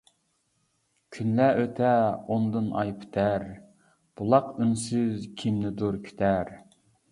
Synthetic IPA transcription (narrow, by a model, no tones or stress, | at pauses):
kʲʰynlæʔøt̪ʰɛond̪ɨnʔɑ̰jpʰt̪ʰæɾ | b̥ulˠɑqynsyzkʲʰimnɪd̪uɾkʲʰy̥t̪ʰæɾ